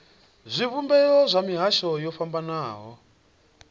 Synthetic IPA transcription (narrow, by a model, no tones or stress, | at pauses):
zʷiβumbɛjɔzʷamiɦaʃɔjɔfambanaːɦɔ